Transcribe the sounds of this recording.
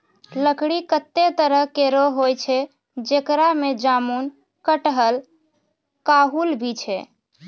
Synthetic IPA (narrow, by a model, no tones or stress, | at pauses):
ləkɽikət̪ːet̪əɾəɦkeɾoɦojt͡ʃʰɛ | d͡ʒekɾamed͡ʒamun | kəʈɦəl | kaɦulbʱit͡ʃʰɛ̰